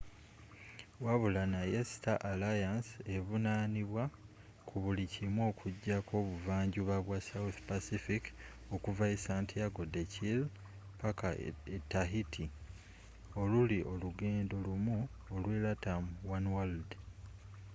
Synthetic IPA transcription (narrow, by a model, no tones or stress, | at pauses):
waβulanajesi̥taʔːlajanse̞βunaːniβwa | kʰuβulicimwo̞ːkʰuɟːako̞ːβuvaːɲɟuβaβwasawuθpasifik | o̞kuvaisaːntʰijaɡo̞decil | pakaetːaɦitʰi | o̞luliʔo̞luɡe̞ːndo̞lumu | olwelatamwanwald